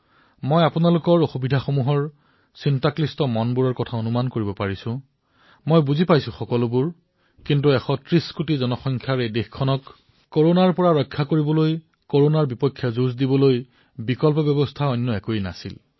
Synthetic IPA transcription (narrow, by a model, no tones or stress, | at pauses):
mojapunalʊkɔɹoxubidʱaxomuɦɔɹ | sintaklistɔmɔnbuɹɔɹkɔtʰaonumankoɹibɔpaɹisʊ̃ | mojbuzipajsʊ̃xɔkɔlʊbuɹ | kintuɛxɔtɹiskutizɔnɔxɔŋkʰjaɹejdexkʰːɔnɔk | kːoɹonaɹpɔɹaɹɔjkʰːakoɹibɔloj | koɹonaɹbipɔkʰːjazuzdibɔloj | bikɔlpɔbjɔbɔstʰaɔjnːɔɛkojna̰sḭl